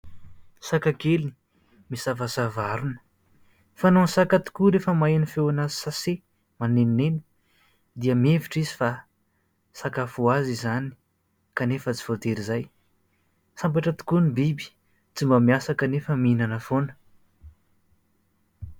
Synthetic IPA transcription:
sakakelini̥ | misavasavaɾunə̥ | fanonsakat̪u̥kuɾefəmaenifewanazi̥sase | manenineni̥ | d̪iəmeviʈ͡ʂizifa | sakafuazizani̥ | kanefət͡si̥vot̪eɾizaj | sambaʈ͡ʂət̪u̥kunibibi̥ | t͡simbamiasakənefəminanəfonə̥

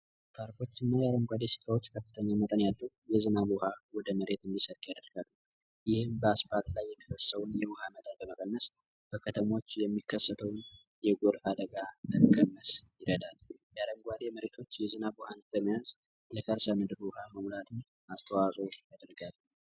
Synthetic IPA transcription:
bʰaɾko̞t͡ʃːɨnːajɛaɾəmɡʷad̪e̞sɨ̥fɾawo̞t͡ʃːkʰəfːɨ̥t̪ʰəɲːamət̪ʼənjalːə | jɛzɨnabuhawɔd̪əməɾe̞t̪ɨnd̪isəɾkʼjad̪əɾɡ̥alːu | jɪhɨmbəasbat̪ʼlajːɛt̪ʰəwəsːəwʊnjɛwʊhamət̪ʼənbəməkʼənːəs | b̥əkʰət̪ʰəmo̞t͡ʃːjɛmːikːəsːət̪ʰəwn | jɛɡoɾfad̪əɡaləməkʼənːəsjɪɾəd̪aljaɾəmɡʷad̪e̞məɾe̞t̪ʰo̞t͡ʃːjɛzɨnabuhanb̥əmːijaz | lɛkʰəɾsəmɨd̪ɨɾʊhaməmlat̪ʰɨn | ast̪ʰəwasʼojad̪əɾɡal

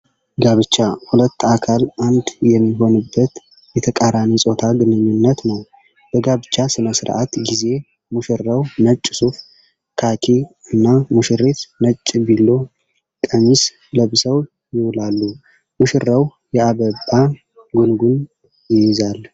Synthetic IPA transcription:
ɡaβɨt͡ʃːahulət̪ːakʰalʔand̪jɛmːiɦo̞nɨbːət̪ | jɛt̪ʰəkʼaɾamisʼo̞t̪ʰaɡɨnɨɲːɪnːət̪nəw | b̥əɡaβɨt͡ʃːasɨnəsɾʔa̰t̪ɡize̞ | muʃɨɾːəwnət͡ʃʼːsuf | kʰakʰiɨnːamuʃɨɾet̪nət͡ʃʼːbilːo̞ | kʼəɲːis | ləβsəw | jɪwlalːu | muʃɾəw | jɛaβəba | ɡunɡun | jɪjɪzal

